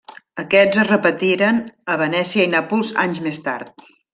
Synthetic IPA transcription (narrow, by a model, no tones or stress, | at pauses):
əkɛzəzrəpət̪iɾənəβənɛsiəinapulˠza̰ɲzmest̪a̰ɾt̪̚